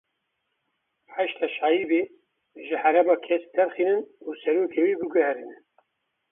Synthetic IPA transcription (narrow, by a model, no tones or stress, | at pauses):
ħaʃt̪ʰɑːʃɑːjibeː | ʒɨhæɾɛmɑːkʰɛsd̪ɛɾxiːnɨnuːsɛɾoːkʰeːwiːbɨɡɛhɛɾɨnɨn